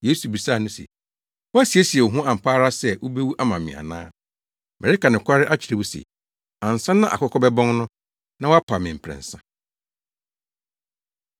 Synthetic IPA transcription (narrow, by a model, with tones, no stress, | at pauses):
je˦su˨bi˨saː˦˨nʊ̃˦sḛ˨ | wɔ˦æ˦si˨e˦si˨ɛ˨o˨ɦũ˦ã˨m̩˨pʰaː˦ɾa˦sɛ˦˨wo˦be˦wu˦ʔa˦mã˨mɪ̰̃˨a̰˨nã̰ː˦ | mɛ˨ɾɪ˦ka˨nɪ̃˨kʰʷa˦ɾɪ˦ʔa˦t͡ɕʰɪ˨ɾe˨wu˦sḛ˨ | ã˨n˨sã˦nã˦ʔa̰˨kɔ˦kʰɔ˦bɛ˦bɔ̃˦ŋnʊ̃˦ | nã˦wa˦pʰa˨mɪ̃˨m̩˨pʰɾɛ̰̃˨n̩˨sã˦